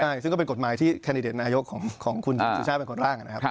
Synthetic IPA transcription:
a˥˩jsɯ˥˩ŋkɔː˥˩e˧ko˨˩t̪̚maː˩˦jt̪ʰiː˥˩kʰɛ˧di˧deː˨˩t̪̚naː˧jo˦˥kʰːɔː˩˦ŋkʰɔː˩˦ŋkʰu˧n˧su˧˦t͡ɕʰaː˥˩e˧nkʰo˧nɾaː˥˩ŋa˨˩na˦kʰa˦˥˦

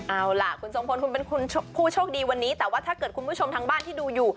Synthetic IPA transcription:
ʔa˧˩wla˨˩kʰu˧nso˨˩˦ŋpʰo˧nkʰu˧npe˧nkʰu˧nʰ˥pʰuː˥˩t͡ɕʰɔː˥˩k̚diː˧wa˧nːiː˦˥t̪ɛː˨˩waː˥˩t̪ʰaː˥˩kɤː˨˩t̪̚kʰu˧npʰu˦˥˩t͡ɕʰo˧mt̪ʰaː˧ŋbaː˥˩nt̪ʰiː˥˩duː˧juː˨˩

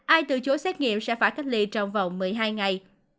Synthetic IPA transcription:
ʔaː˧jt̪ɨ̰˧˨t͡ɕo˨˦sɛ˦˥t̚ŋḭ˧˨əmsɛ̰˧˥faː˧˩jka˦˥k̚li˧t͡ɕɔ˧wŋ͡mva˨˩wŋ͡mmɨ˨˩əjɦaː˧jŋa˨˩j

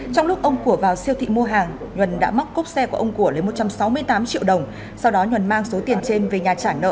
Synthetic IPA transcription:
t͡ɕɔ˧wŋ͡mlʊ˦˥k͡p̚ʔə˧wŋ͡mku˧˩əvaː˨˩wsi˧əwt̪ʰḭ˧˨mu˧əɦaː˨˩ŋ | ɲwə˨˩nɗa̰ː˧˥ma˦˥k͡p̚kʊ˦˥k͡p̚sɛ˧ku˧˩əʔə˧wŋ͡mku˧˩ələː˨˦mo˨˩t̚t͡ɕa˧msa˨˦wmɨ˧əjt̪aː˨˦mt͡ɕḭ˧˨əwɗə˨˩wŋ͡m | sa˧wɗɔ˨˦ɲwə˨˩nmaː˧ŋso˨˦t̪i˨˩ənt͡ɕe˧nve˨˩ɲaː˨˩t͡ɕaː˧˩nə̰ː˧˨

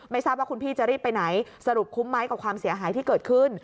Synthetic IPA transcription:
ma˥˩jsa˥˩waː˥˩kʰu˧npʰiː˥˩t͡ɕa˨˩ʔɾiː˥˩pːa˧jna˩˦jsa˧ɾu˨˩p̚kʰu˦˥mːa˦˥jka˨˩p̚kʰwaː˧msi˨˩˦ɐɦaː˩˦jt̪ʰiː˥˩kɤː˨˩t̪̚kʰɯ˥˩n

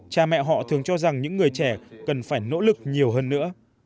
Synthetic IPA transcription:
t͡ɕaː˨˩mɛ̰˧˨ɦɔ̰˧˨t̪ʰɨ˨˩əŋt͡ɕɔ˧za˨˩ŋɲɨ̰˧˥ŋːɨ˨˩əjt͡ɕɛ˧˩kə˨˩nfaː˧˩jno̰˧˥lɨ˨˩k̚ɲi˨˩əwɦəː˧nːɨ̰˧˥ə

